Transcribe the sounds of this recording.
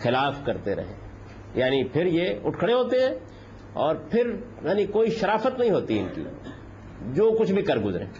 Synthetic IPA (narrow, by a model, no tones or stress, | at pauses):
xɪlaːfkɐɾt̪eɾɐ̰ɦḛ̃ː | jaːnipʰɪɾjeʊʈkʰɽ̃eɦoːt̪eɦɛ̃ː | ɔːɾpʰɪɾjaːnikoːiʃɐɾaːfət̪nɐɦĩɦoːt̪iɪnkḭ | d͡ʒoːkʊt͡ʃʰbʱikɐɾɡʊzɾḛ̃ː